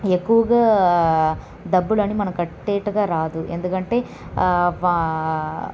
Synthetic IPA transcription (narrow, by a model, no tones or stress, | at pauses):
ekːuʋɐɡɐ | d̪ɐbːuɭɐnːimɐnɐkɐʈːeːʈɐɡaːɾaːd̪uʔend̪ukɐɳʈe̞